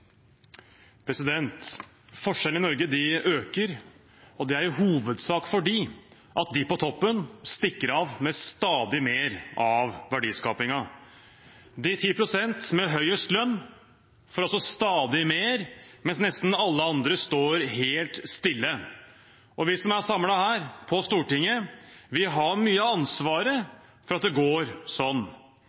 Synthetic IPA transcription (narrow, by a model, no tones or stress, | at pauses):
pʰɾɛsɪd̪ɛnt̪ | fɔʂɛlənɪnɔɾɡəd̪ɪʔøːkəɾ | ɔd̪ɛæɾɦuːʋəd̪sɑːkfɔɖiː | ʔɑt̪̚d̪ɪpɔt̪ʰɔpːənst̪ɪkːəɾɑʋmɛst̪ɑːd̪ɪmeːɾɑʋʋæɖiːskɑːpɪŋɑ | d̪ɪt̪ʰiːpʰɾʊsɛnt̪mɛɦœʏəst̪lœnː | fɔɾɑlsɔst̪ɑːd̪ɪmeːɾmɛnsnɛst̪n̩ɑlːəɑnd̪ɾəst̪oːɾɦeːlt̪st̪ɪlːə | ʔɔʋɪsɔmæsɑmlɑhæːɾpʰɔst̪uːʈɪŋːəʋɪɦɑɾmyːəɑnsʋɑːɾə | fɔɾɑt̪̚d̪ɛɡoːɾsɔnː